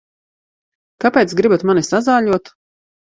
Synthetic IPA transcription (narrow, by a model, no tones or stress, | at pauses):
kapʲeːt̪sɡɾibat̪manisazaːʎuɔt̪